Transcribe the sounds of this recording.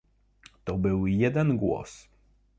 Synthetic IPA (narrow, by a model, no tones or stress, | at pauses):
t̪ɔbɘwjɛd̪ɛnɡwɔ̰s